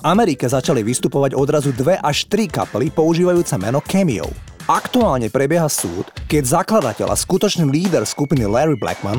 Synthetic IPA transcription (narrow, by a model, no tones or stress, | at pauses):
vamɛɾikɛzat͡ʃaliʋist̪upɔʋaɟɔd̪ɾazud̪ʋɛʔaʃt̪ɾika̰pɛlipɔuʒiːʋajuːt͡sɛmɛnɔkɛmiɔ̰ʊ | akt̪uaːlɲɛpɾɛbjɛɦasṵːt̪kɛɟzaklad̪acɛ̰la̰skut̪ɔt͡ʃniːliːd̪ɛɾskupinilɛɾibla̰ɡman